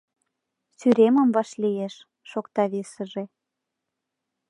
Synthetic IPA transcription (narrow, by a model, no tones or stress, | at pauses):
syɾemə̆mvɑʃlijeʃː | okt̪ɑβesə̆ʒe